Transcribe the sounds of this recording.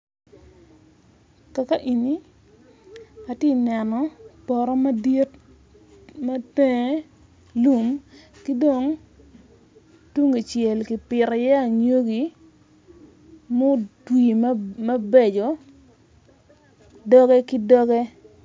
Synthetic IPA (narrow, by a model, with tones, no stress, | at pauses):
ka˨ka˦ʔi˨ni˨ | a˨tji˦nɛ˨nɔ˨pɔ˨ɾɔ˦ma˦di˦t | ma˦tɛ˦ | lu˦˨mki˦do˨ŋ | tu˦ŋi˨t͡ʃjɛ˨lki˨pɪ˨ɾɔ˨jɛ˦a˨ɲo˦ɡi˨ | mo˦twi˨mmɐ˦be˦d͡ʒɔ˨ | dɔ˦ɡɛ˦ki˦dɔ˦ɡɛ˦